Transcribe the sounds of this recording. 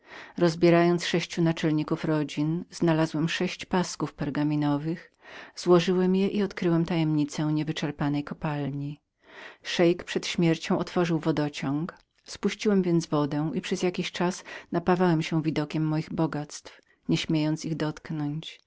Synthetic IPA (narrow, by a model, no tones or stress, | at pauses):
ɾɔzbʲjɛɾajɔnt̪sʂɛɕt͡ɕunat͡ʂɛlɲikufɾɔd͡ʑinz̥nalazwɛmʂɛɕt͡ɕpaskufpɛɾɡamʲinɔvɘx | z̥wɔʐɘwɛmjɛʔiɔt̪kɾɘwɛmt̪ajɛmɲit̪sɛw̃ɲɛvɘt͡ʂɛɾpanɛjkɔpalɲi | ʂɛjkpʂɛt̪ɕmʲjɛɾt͡ɕɔ̃w̃ʔɔt̪fɔʐɘwvɔd̪ɔt͡ɕɔ̃ŋk | spuɕt͡ɕiwɛmvʲjɛnd̪zvɔd̪ɛ̃w̃ʔipʂɛzjakʲiɕt͡ʂasnapavawɛmɕɛ̃w̃vʲid̪ɔkʲɛmːɔjiɣbɔɡat̪st̪f | ɲɛɕmʲjejɔnt̪siɣd̪ɔt̪knɔɲt͡ɕ